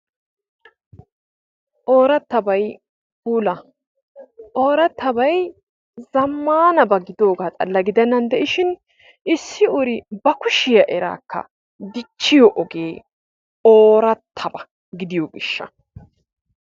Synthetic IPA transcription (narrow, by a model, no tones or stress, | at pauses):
ʔoːɾɐt̪ːɐbɐj | puːlɐ | ʔoːɾɐt̪ːɐbɐj | zɐmːaːnɐbɐɡɪd̪o̞ːɡaːt͡sʼɐ̰lːɐɡɪd̪ɛnːɐnd̪ɛʔɪʃɪn | ʔɪsːɪʊɾɪbɐkʊʃɪjɐʔɛɾa̰ːkːɐ̰ | d̪ɪt͡ʃːɪjɔʔɔɡe̞ː | oːɾɐt̪ʰːɐbɐ | ɡɪd̪ɪjoɡɪʃːɐ̰